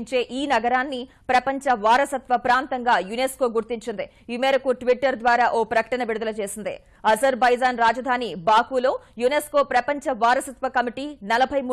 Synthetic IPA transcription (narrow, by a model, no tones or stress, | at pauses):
ɲt͡ʃe̞ːʔiːnɐɡɐɾaːnːi | pɾɐpɐɲt͡ʃɐʋaːɾɐsɐt̪ʋɐpɾaːnt̪ɐŋɡaːjunesko̞ːɡuɾt̪iɲt͡ʃind̪i | imeːɾɐkuʈʋiʈːɐɾd̪ʋaːɾaːʔoːpɾɐkɐ̥ʈɐnɐʋiɽud̪ɐlɐt͡ʃe̞ːsind̪ḭ | ɐzɐɾbɐjd͡ʒaːnɾaːd͡ʒɐd̪ʱaːnibaːkuːlo̞ːjunesko̞ːpɾɐpɐɲt͡ʃɐʋaːɾɐsɐt̪ʋɐkɐmiʈiːnɐlɐbʱɐjmu